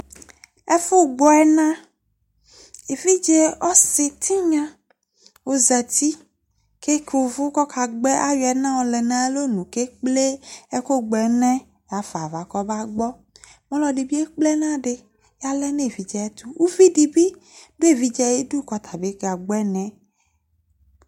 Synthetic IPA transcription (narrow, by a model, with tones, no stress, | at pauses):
ɛ˦fo˦˨ɡ͡bɔ˨ɛ˦nã˦ | e˨vi˦d͡ʒɛ˦ɔ˦si˨t̪ʰi˦ɲã˦ | wo˨zɛ˨t̪i˦ | ke˦ke˨wo˨vʊ˦kɔ˦kʰa˨ɡ͡bɛ˦ʔa˦jɛ˨nã˦wɔ˨lɛ˨nã˦e˦lo˦nũ˨ke˦k͡ple˦ɛ˦ko˦ɡ͡bɛ˨nɛ̃˦ | ja˨fa˨va˨kɔ˦ba˦ɡ͡bɔ˦ | mɔ̃˦lɔ˨ɖi˨bi˦e˦k͡ple˦nã˦ɖe˨ | ja˦lɛ˦nẽ˦˨vi˨d͡ʒɛ˨ɛ˦t̪u˦wu˦vi˦di˨bi˦be˦e˦˨vi˨d͡ʒɛ˨je˦du˦kɔ˨t̪ʰa˨be˨˦ka˨ɡ͡bɛ˦nɛ̃˨